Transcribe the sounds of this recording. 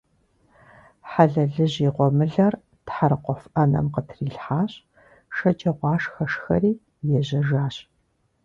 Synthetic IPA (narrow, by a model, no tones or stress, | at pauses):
ħaɮɐɮɨʑiːqʷɔmɨɮɐr | tħaɾɨqʷɔfʔɐnɐ̰mqətʰriːɬħaːɕʼ | ʃɐt͡ʃʼɐʁʷɑːʂxɐʂxɐ̰riː | jɛʑɐʒaːɕ